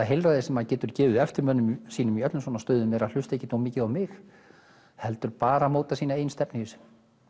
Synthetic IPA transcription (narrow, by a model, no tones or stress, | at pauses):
aɦejlɾaðɪsɛmaðcɛːt̪ʏɾ̥cɛːvɪðɛft̪ɪɾmœnːʏmsiːnʏmiœt̪lʏms̬vɔnast̪œːðʏnɛɾal̥ʏst̪ejcːɪt̪owmɪːcɪðawmɪx | hɛlt̪ʏɾpaːɾamoːwt̪asiːnaeːjnst̪ɛpnɪʏsɪ̥